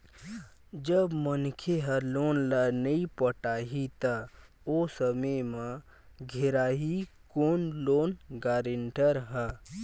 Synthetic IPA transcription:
d͡ʒəbmənkʰeɦəloːnlənəĩpəʈaːɦit̪a | oːsəməmã | ɡʱeɾaːɦikoːnloːnɡaːɾəɳʈəɾɦɛ

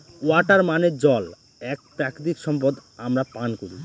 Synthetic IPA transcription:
waʈaɾmaned͡ʑɔl | ɛk̚pɾakd̪ikʃɔmpod̪amɾapankoɾi

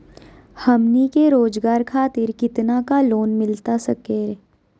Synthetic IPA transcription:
hɐmnikeɾoːd͡ʒɡaːɾkʰaːt̪ɪɾkɪt̪nakaloːnmɪlt̪asɐke

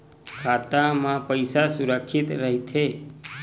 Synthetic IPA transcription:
kʰat̪amãpəjsasuɾəkʃit̪ɾəɦit̪ʰe

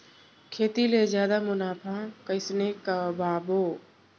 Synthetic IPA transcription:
kʰeːt̪ilezjaːd̪amʊnaːpʰakəɪsnekabaːboː

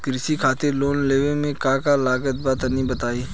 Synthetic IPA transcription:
kɾɪsikʰaːt̪ɪɾloːnleːʋẽmẽkãːkalaːɡət̪̚bat̪nĩbɐt̪aːiː

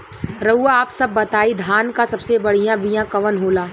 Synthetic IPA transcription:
ɾɐuaaːpsɐbːɐt̪aːid̪ʱaːnkasɐbsebɐɽ̤ijãbijãkɐʋənɦoːlaː

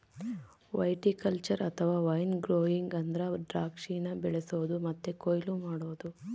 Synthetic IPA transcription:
ʋɐjʈikɐlt͡ʃɐɾɐt̪ʰɐʋaːʋɐjnɡɾoːiŋɡɐnd̪ɐɾɐɖɾaːkʂiːnɐbɛɭesoːd̪umɐt̪ːekojlumaːɽoːd̪u

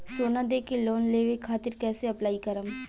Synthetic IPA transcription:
soːnad̪eːkeloːnleːʋekʰaːt̪ɪɾkɛːseɐplaːikəɾəm

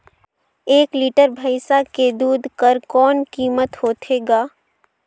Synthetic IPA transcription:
eːkliːʈəɾbʱəɪsaked̪uːd̪ʱkəɾkɔːnkiːmət̪hoːt̪ʰeːɡaː

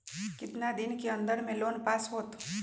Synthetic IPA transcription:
kɪt̪nad̪ɪnkeɐ̃nd̪əɾmẽloːnpaːsɦoːt̪

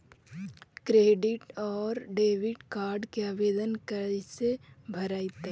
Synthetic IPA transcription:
kɾeːɖɪʈɔːɾɖeːʋɪʈkaːɾɖkeaːʋeːd̪ənkəsebʱɐɾaːit̪e

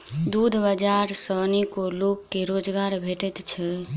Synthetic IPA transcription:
d̪ud̪ʱbəd͡ʒaɾsənikolokːeɾod͡ʒɡaɾbʱeʈɛt̪t͡ʃʰɛ

